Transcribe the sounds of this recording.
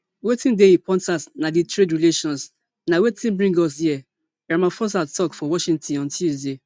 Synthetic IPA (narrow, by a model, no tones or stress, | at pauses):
wetĩndeipɔ̃ntasnaditɹedɹileʃɔ̃ns | nawetĩnbɹĩŋɡɔs̬jiɛ | ɹamãfɔsatɔkfɔwɔʃĩŋtɔ̃nɔ̃ntusde